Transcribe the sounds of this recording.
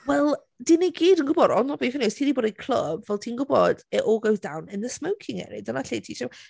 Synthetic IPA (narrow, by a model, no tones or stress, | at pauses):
wɛlˠ | diːniɡiːdənɡʊbɔdɔnɔbifɪnistʰiːdiboːdejkʰl̥ˠə̰bvɛlˠtʰiːnɡʊbɔd̥ɛʔɔːɡowzd̥a̰wnɪnðəsməwkʰɪŋɛ̰ɾḭdɔnaɬejtʰiːʃɔw